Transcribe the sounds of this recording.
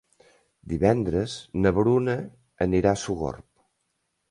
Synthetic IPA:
d̪iβɛnd̪ɾəznəβɾunəː | niɾasuɣo̰rp̚

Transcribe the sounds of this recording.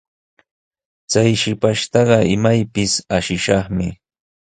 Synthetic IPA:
t͡sajʃɪpaʃt̪ɑɢɑɪmajpɪsaʃɪʃɑχmɪ

